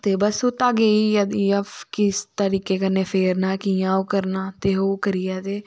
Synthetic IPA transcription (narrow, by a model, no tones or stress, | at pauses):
t̪eːbəsot̪aːɡeijəd̪iəfkɪst̪əɾiːkekənefʰeːɾnaːkijãːoːkəɾnaːt̪eːɦoːkəɾijaːt̪eː